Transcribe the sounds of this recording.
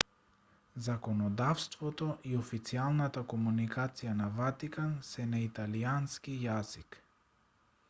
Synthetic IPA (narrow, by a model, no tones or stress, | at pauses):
zakɔnɔd̪afst̪vɔt̪ɔʔiɔfit̪sialˠnat̪akɔmunikat̪sijanavat̪ikansɛnait̪alianskijazik